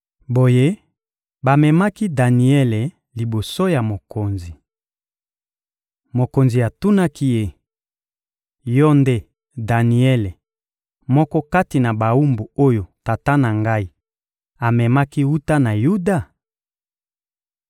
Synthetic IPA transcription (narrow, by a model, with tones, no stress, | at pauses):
bo˨je˦ | ba˨mɛ˨ma˦ki˦da˨ni˨ɛ˦le˨ | li˨bo˨so˦ja˨mo˨ko˨nzi˨ | mo˨ko˨nzi˨a˨tu˦na˦ki˦je˦ | jɔ˦nde˦ | da˨ni˨ɛ˦le˨ | mɔ˦kɔ˦ka˦ti˨na˨ba˨u˦mbu˨o˦jo˨ta˨ta˦na˨ŋɡa˦i˦ | a˨mɛ˨ma˦ki˦wu˦ta˦na˨ju˦da˦˨